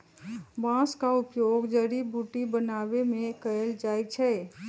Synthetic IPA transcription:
bãskaʊpjoɡd͡ʒəɾibuʈibənaʋemẽkəeld͡ʒajt͡ʃʰɛ

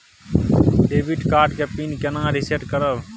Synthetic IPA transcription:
ɖebiʈkaːɾɖkepinkenãɾiseʈkəɾəb

